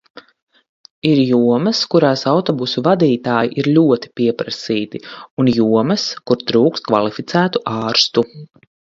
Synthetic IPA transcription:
iɾjuɔmɐskuɾaːsawt̪ɔbusuvad̪iːt̪aːjiʔiɾlʲuɔt̪i̥pʲiɛpɾɐsiːt̪iunjuɔmɐskuɾt̪ɾuːkst̪̚kva̰lˠifit̪sæːt̪uʔaːɾst̪u

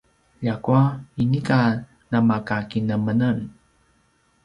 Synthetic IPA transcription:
ʎakuainika | namakakinəmənan

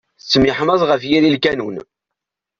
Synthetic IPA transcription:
t͡sːmɪħməzˤʁəfjililkænun

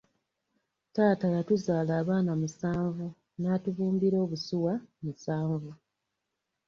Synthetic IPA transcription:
taːtajatuzaːlaːβaːnamusaːɱvu | naːtuvuːmbiɾo̞ːβusiwamusaːɱvu

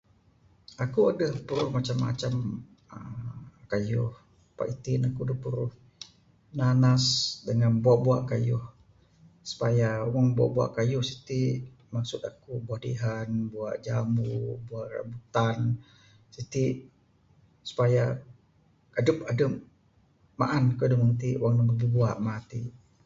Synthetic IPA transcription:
akuadəhpəɾʊhmat͡ʃamːa̰t͡ʃam | əkajʊh | pa̰ʔit̪inakudəhpəɾʊh | nanasdəŋanbuaʔbuaʔkajʊh | su̥pajaomaŋbua̰ʔbua̰ʔkajʊhsi̥t̪iʔ | maksʊt̪akubuahdḭɦanbua̰ʔd͡ʒamubuaʔra̰but̪an | sit̪iʔ | su̥paja | adəp̚adəp̚ | ma̰ʔanakuadəməŋt̪iʔwaŋnəŋububuaʔmat̪iʔ

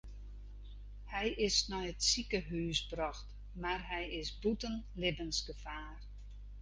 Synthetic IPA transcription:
hɛjʔɪsnɔjətsikəɦyːsbrɔxt | marɦɛjɪsbutənlɪbənsɡəfaːr

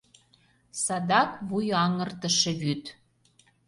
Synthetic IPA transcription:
sɑd̪ɑkβujɑŋə̆rt̪ə̆ʃĕβyt̪

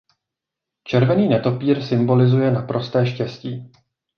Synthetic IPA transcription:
t͡ʃɛɾvɛniːnɛt̪o̞piːɾsɪmbo̞lɪzujɛnapɾo̞st̪ɛːʃcɛsciː

